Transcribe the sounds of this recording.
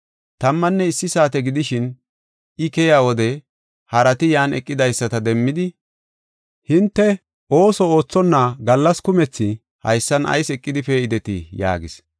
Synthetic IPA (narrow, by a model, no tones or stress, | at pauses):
t̪ɐmːɐnːɛɪsːɪsaːt̪ɛɡɪd̪ɪʃɪn | ɪkɛjaːwɔd̪ɛ | hɐɾɐt̪ɪjaːnɛkʼːɪd̪ɐjsːɐt̪ɐd̪ɛmːɪd̪ɪ | hɪnt̪ːɛ | ʔo̞ːsɔo̞ːt͡sːɔnːɐɡɐlːɐskʊmɛt͡sːɪ | hɐ̰jsːɐnɐ̰jsɛkʼːɪd̪ɪfeɪd̪ɛt̪ɪja̰ːɡɪ̰s